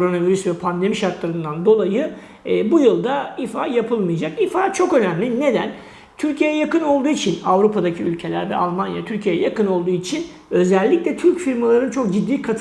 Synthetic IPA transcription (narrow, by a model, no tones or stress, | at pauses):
oɾo̞naviɾysvɛpʰand̪e̞miʃaɾt̪lˠaɾɯnd̪and̪o̞lˠajɯː | bujɯlˠd̪aifaːjapʰɯlˠmɯjad͡ʒakifaːt͡ʃʰo̞kø̞næmlʲine̞d̪æn | t̪ʰyɾcʰijejɛjakɯno̞lˠd̪uːit͡ʃʰinavɾupʰad̪acʰiylʲcʰe̞lʲæ̰ɾvɛ̰ʔalˠmanja̰t̪ʰyɾcʰijejɛ̰jakɯno̞lˠd̪uːit͡ʃʰin | ø̞zɛlʲːicʲlʲɛt̪ʰyɾcfiɾmalˠaɾɯnt͡ʃʰo̞k̚ɟid̪ːiːkʰat̪ʰ